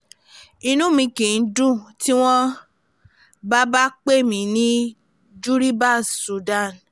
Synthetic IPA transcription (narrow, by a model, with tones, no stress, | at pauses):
i˧nũ˦mĩ˧kĩ˨n̩˦dũ˦˨ti˦w̃ɔ̃˦ | ba˦ba˦k͡pe˦˨mĩ˨˦nĩ˦ | d͡ʒu˦ɾi˦ba˦˨su˨da˦˨n